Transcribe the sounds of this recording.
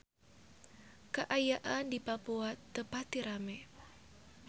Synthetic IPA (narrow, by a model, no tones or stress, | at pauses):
kəʔajaʔandipapuat̪ːəpat̪iɾamɛ